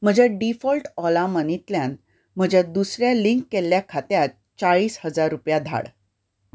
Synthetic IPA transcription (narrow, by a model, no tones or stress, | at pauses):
m̤əd͡ʑjaɖifɔlʈɔlamənit̪ljan | m̤əd͡ʑʱjad̪usɾjaliŋkːelːjakʰat̪jat̪̚ | t͡saɭiːshəd͡zaɾːupjad̪ʱa̰ɽ